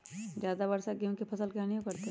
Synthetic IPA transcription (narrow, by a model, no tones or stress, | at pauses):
d͡ʒjaːd̪abɐɾsaɡemkepʰɐsəlkɛaniõkɐɾt̪e